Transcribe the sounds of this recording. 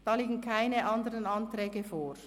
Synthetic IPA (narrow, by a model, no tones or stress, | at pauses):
d̥ɑːliːɡn̩kʰaɪnəʔɑndəɾənɑntrɛːɡəfoːɾ